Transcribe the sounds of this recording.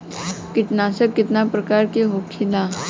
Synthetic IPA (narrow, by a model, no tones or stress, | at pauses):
kɪʈ̪naːsəkːɪt̪napɾɐkaːɾkeɦoːkʰːilaː